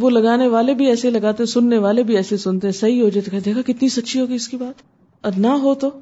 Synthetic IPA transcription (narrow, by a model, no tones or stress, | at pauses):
ʋolɐɡaːneʋaːlebʱiɛːselɐɡaːt̪eɦɛ̃sʊnːeʋaːlebʱiɛːsesʊnt̪eɦɛ̃sɐɦiɦoːd͡ʒaet̪okɛɦd̪eːkʰakɪt̪nisɐtːʃʰiɦoːɡiɪskibaːt̪ | ɔɾnaɦot̪o